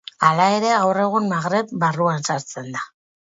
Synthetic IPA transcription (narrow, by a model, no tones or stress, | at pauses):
alae̞ɾe̞awre̞ɣ̞unmaɣɾe̞pbaruansaɾt͡se̞nd̪a